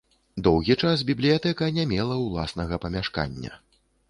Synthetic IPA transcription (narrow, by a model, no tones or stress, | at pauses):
d̪ɔwɣʲit͡ʂasbʲiblʲijat̪ɛkɐnʲamʲɛlˠɐwlˠa̰snɐɣɐpɐmʲaʂka̰nʲːɐ̰